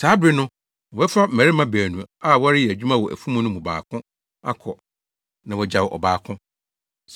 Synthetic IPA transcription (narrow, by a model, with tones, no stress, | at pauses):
saː˨˦bɪ˦nʊ̃˦˨ | ɛ˦fa˦m̩˨mæ̃˨ɾɪ˦mã˦bæː˨nũ˨a˦˨wɔ˦ɾɪ˦jɛ˨æ˨d͡ʑᶣu˦mã˦˨wɔ˨ʔæ̰˨fu˦mũ˦nʊ̃˦mũ˨ba̰ː˨kʰʊ̃˦ | a̰˦kʰɔ˨ | nã˨wɔ˨d͡ʑa˨wʔɔ̰˨baː˨kʰʊ̃˦ | s